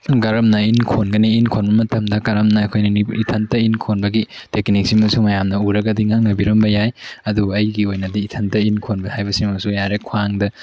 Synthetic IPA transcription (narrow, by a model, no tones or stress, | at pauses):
ɡɐɾɐmnɐinkʰonɡɐniːnkʰonbɐmɐtʰɐmdɐkɐɾɐmnɐːkʰojnɐniitʰɐntɐinkʰonbɐɡiteknik̚simɐsumɐjamnɐuɾɐɡɐdiŋaŋnɐbiɾɐmbɐjajɐduɐjɡiojnɐdiitʰɐntɐinkʰonbɐhajbɐsimɐsujaɾekʰwaŋdɐ